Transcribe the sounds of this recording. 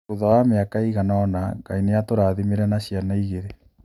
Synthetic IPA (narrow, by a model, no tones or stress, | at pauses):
oðawameakaiɣanɔnaŋɡainejatoɾaðimeɾɛnaɕijanaiɣeɾe